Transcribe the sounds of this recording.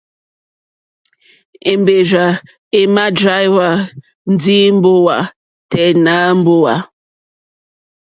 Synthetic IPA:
e˨mbe˨d͡ʒa˨ | e˨ma˦dɾa˦jwa˨ | n̩˦di˦m̩˦bo˦wa˨ | tɛ˨na˦m̩˦bo˦wa˨

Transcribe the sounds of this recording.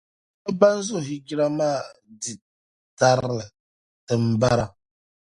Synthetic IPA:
a˦ba˦n˦zʊ˦˨ɦi˦ɡi˦ɾa˦maː˦˨di˨ | ta˦ɾlɨ˨ | tɨ˨m̩˨ba˦ɾa˦

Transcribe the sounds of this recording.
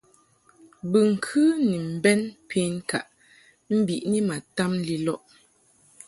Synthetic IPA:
bɨ˨ŋ̩˨kʰʉ˦ni˨m̩˨bɛ˦npʰe˦n˦ka̰˨ʔ | m̩˦bi˨ʔni˦ma˨ta˦mli˦lɔ˦ʔ

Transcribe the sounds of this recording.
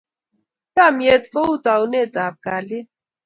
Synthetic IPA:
ka˦˨mje˨t̪ko˦u˦t̪a˨u˨˦ne˦˨t̪a˨p̚ka˨li˦

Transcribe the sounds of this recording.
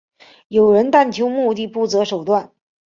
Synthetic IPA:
jo˨˩ʊɻə˧˥nt̪a˥˩nt͡ɕʰjo˧˥ʊmu˥˧t̪̬i˥˧pu˥˩t͡sɤ˧˥ʂo˨˩ʊt̪wa˥˩n

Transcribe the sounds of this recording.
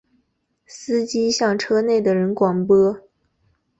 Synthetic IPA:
sɹ̩˥t͡ɕi˥ɕjɑ˥˩ŋʈ͡ʂʰɤ˥ne˥˩ɪd̪ə˩ɻə˧˥nkwɑ˨˩ŋpɤ˥

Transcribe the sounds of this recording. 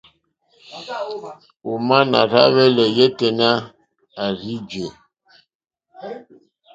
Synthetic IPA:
u˨ma˦na̰˨ɾa̰˦βɛ˦lɛ˨jɛ˦tɛ˨na˦ | a˨ɾi˦d͡ʒe˨

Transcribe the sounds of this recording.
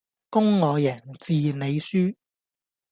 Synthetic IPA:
kʊ˥ŋːɔː˨˧jɐː˨˩nt͡siː˨˧ne˨˧jsyː˥

